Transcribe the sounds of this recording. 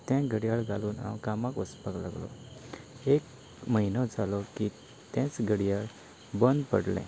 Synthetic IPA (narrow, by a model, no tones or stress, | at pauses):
t̪ɛ̃ɡʱəɽijaɭɡʱaluːnã̰wkamãkɔspakla̰ɡlɔ̰ | ek | məinɔd͡zalɔki | t̪ɛ̃t͡sɡʱəɽjaɭ | bənd̪pə̰ɽlɛ̰̃